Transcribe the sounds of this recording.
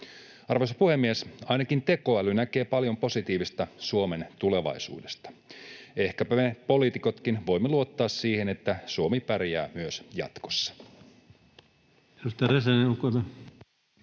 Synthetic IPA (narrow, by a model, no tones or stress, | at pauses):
ɑrʋosɑ̥puhe̞mːiesɑjnɑkint̪e̞ko̞ælynæke̞ːpɑljo̞mpo̞sit̪iːʋist̪ɑsuome̞nt̪ule̞ʋɑ̰jsṵːdest̪ɑ̥e̞hkæpæmepo̞liːt̪iko̞t̪kinʋo̞jmːeluot̪ːɑːssiːhe̞ne̞t̪ːæsuomipærjæːmyøsjɑ̰t̪ko̞̥sːɑ̥ | edust̪ɑreseneukːot̪ɑ